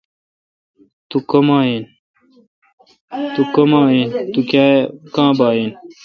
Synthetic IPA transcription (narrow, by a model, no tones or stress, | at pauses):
t̪ukɐmaːin | t̪ukɐmaːiːnt̪ukaːkãːbaːin